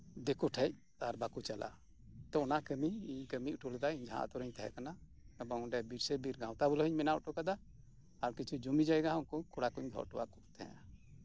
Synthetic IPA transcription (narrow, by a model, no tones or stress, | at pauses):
d̪ɛkuʈʰɛc̚ | aɾbakut͡ʃala̰ | t̪ɔɔnaʔkəmiiɲkəmiuʈuld̪aiɲd͡ʒʱã̰ʔa̰t̪ɔɾəɲt̪ɛɦɛ̰kana | ɛbɔɔ̃ɖɛbiɾsɛbiɾɡãw̃t̪abɔlɦiɲmɛnaʔɔʈɔkad̪aː | ɾkit͡ʃʰud͡ʒumid͡ʒajɡãɦɔ̃kɔkʰɔɽakuɲd̪ʱɔ̰ʔʈɔwa̰ʔkuʔt̪ʰɛɛ̰a